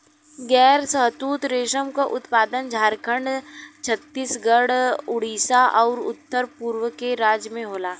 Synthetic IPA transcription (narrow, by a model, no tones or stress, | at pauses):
ɡɛːɾsəɦt̪uːt̪ɾeːʃəmkaʔʊt̪paːd̪ənd͡ʒʱaːɾkʰəɳɖt͡ʃʰət̪ːiːsɡəɽʊɽiːsaʔɔːɾʊ̰t̪ːəɾpuːɾwəkeɾaːd͡ʒjəmẽɦoːlaː